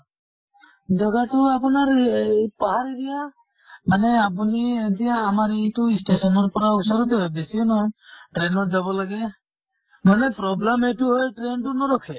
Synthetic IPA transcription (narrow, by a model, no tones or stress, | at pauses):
d͡ʒɔɡaʈuapɔnaɾpaɦaɾiɾija | maneapunid̪ijaːmaɾiʈuisʈesɔnɔɾɔpɔɾausɔɾɔt̪ɔɦɔjbesiɔnɔʈɾenɔd͡ʒɔbɔlaɡe | manepɾɔblameʈuɦɔjʈɾenʈunɔɾɔkʰe